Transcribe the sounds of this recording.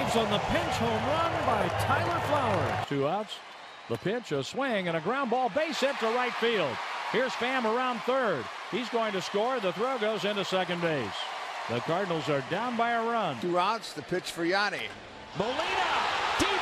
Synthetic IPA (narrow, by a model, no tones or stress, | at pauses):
vzn̩ðəpʰɪ̃nt͡ʃhõʊ̃mɹʌ̃nbaɪtʰaɪlˠə˞flaʊə˞z̥tʰʉaʊts | ðəpʰɪt͡ʃə˞swɪ̃ŋɨ̃ñɨɡɹãʊ̃nbɔlˠbeɪsɪt̚əɹaɪtfilˠd̥̚hiɹz̥fæ̃mə˞ãʊ̃nθɜ˞d̥̚ | hizɡoʊɪ̃ŋtɨskɔɹðəθɹoʊɡoʊzɪ̃ntɨsɛkɨ̃nbeɪsðɨkʰɑɹdⁿn̩l̩ˠzə˞dãʊ̃nbaɪəɹʌ̃ntʰʉaʊtsðɨpʰɪt͡ʃfə˞jɑnḭ | bəlinəd̥i